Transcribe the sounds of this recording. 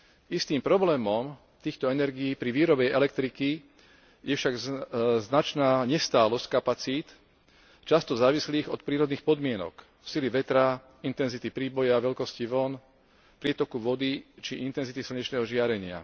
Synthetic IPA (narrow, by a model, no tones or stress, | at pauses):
ist̪iːmpɾɔblɛːmɔm | t̪iːxt̪ɔɛnɛɾɡiiːpɾiʋiːɾɔbɛʔɛlɛk̚t̪ɾiki | jɛfʃaɡznat͡ʃnaːɲɛst̪aːlɔsckapat͡siːt̪ | t͡ʃast̪ɔzaːʋisliːɣɔt̪̚pɾiːɾɔd̪niːxpɔd̪mɪɛnɔ̰k | siliʋɛt̪ɾa | int̪ɛnzit̪ipɾiːbɔjaʋɛʎkɔsciʋɔn | pɾɪɛt̪ɔkuʋɔd̪it͡ʃiʔint̪ɛnzit̪isl̩ɲɛt͡ʃnɛːɦɔʒɪaɾɛɲɪa̰